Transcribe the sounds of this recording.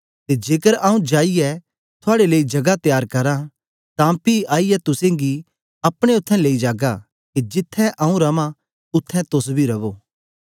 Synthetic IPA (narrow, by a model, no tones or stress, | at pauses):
t̪ed͡ʒeːkəɾaːũd͡ʒaːiɛ | t̪ʰʊaːɽeleːid͡ʒɐɡat̪jaːɾkɐɾã | t̪ãpiaːiɛt̪ʊsẽɡi | ɐpɽ̃eʊt̪ʰːɛ̃leːid͡ʒaːɡa | ked͡ʒɪt̪ʰːɛ̃ʔɐũɾɐmã | ʊt̪ʰːɛ̃t̪ʊsbʱiɾɐʋoː